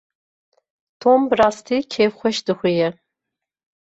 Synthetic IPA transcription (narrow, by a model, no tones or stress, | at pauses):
tʰoːmbraːstʰiːkʲʰeːfχʷɔʃdɨχʷijɛ